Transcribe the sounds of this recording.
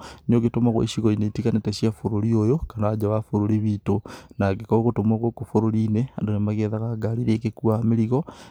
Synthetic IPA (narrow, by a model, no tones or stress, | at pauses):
nioɣetomaɣw̰ḛʃiɣoineitikaneteʃjafoɾoɾiojokanaːd͡ʒawafoɾoɾiβitonakekoɣotomaɣokofoɾoɾinea̰ndonemaɣeðaɣaɡaɾiɾekekuameɾiɣɔ